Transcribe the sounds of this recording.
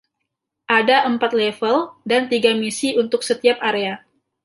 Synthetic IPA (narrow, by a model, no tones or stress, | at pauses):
ʔadaʔəmpat̪̚lefəldant̪iɡamisiunt̪ʊksət̪iap̚ʔaɾea